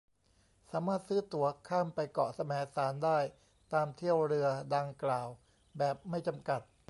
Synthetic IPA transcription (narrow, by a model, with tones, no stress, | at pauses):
saː˩˦maː˥˩t̪̚sɯː˦˥t̪u˩˦ɐkʰaː˥˩mpa˧jkɔ˨˩sa˧mɛː˩˦˥saː˩˦ndaː˥˩j | t̪aː˧mt̪ʰi˥˩əwɾɯ˧əɐda˧ŋklaː˨˩w | bɛː˨˩p̚ma˥˩jt͡ɕa˧mka˨˩t̪̚